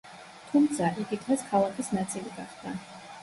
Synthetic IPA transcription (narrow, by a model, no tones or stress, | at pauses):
t̪ʰumt̪sʰaʔiɡit̪ʰʁaskʰalˠakʰisnat̪sʼiliɡaχd̪a